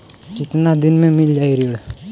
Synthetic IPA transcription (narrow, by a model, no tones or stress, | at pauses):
t͡ʃɪt̪nad̪ɪnmẽmɪld͡ʒaiɾi